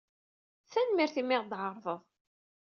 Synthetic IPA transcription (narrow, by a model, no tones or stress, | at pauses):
θænmɪɾθimɪʁd̪ʕəɾˤvˤəðˤ